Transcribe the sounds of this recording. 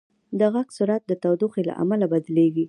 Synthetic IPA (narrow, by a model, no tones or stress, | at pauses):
d̪əɣaɡsuɾat̪̚d̪ət̪awd̪uxela̰ʔa̰malabad̪leɡi